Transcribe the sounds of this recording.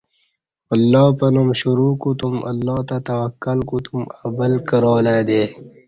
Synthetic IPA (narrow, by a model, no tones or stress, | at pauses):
ɐlːɑːpɐnumɕuɾuːkut̪umʔɐ̰lːɑːt̪at̪ɐwɐkːalkut̪umɐbəlkəɾoːleːd̪eː